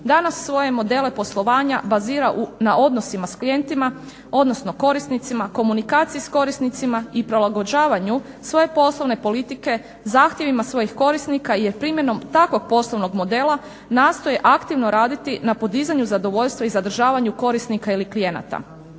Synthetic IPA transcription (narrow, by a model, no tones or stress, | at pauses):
d̪anasːʋo̞je̞mo̞d̪e̞le̞po̞slˠo̞ʋaːɲabaziːɾaʔunaʔo̞d̪no̞simasklije̞nt̪ima | o̞d̪nosno̞ko̞ɾisnit̪simako̞munikaːt̪sijisko̞ɾisnit̪simaipɾolaɡo̞d͡ʑaːʋaɲu | sʋo̞je̞po̞slˠo̞ʋne̞po̞lit̪ike̞ | zaːxt̪je̞ʋimasʋo̞jixko̞ɾisnikajeɾpɾimje̞no̞mt̪akʋo̞ɡ̥̚po̞sloʋno̞ɡmo̞d̪e̞la | naːst̪o̞jeʔakt̪iʋno̞ɾaːd̪it̪inapo̞d̪izaɲuzad̪o̞ʋo̞ʎʲst̪ʋaizad̪r̩ʒaːʋaɲuko̞ɾisnikailiklije̞na̰t̪a̰